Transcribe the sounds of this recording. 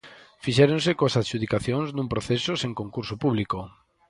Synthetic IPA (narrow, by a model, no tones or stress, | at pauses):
fiʃɛɾõnsekoasaʃuð̞ikaθjõŋznũmpɾoθesoseŋkoŋkuɾsopuβliko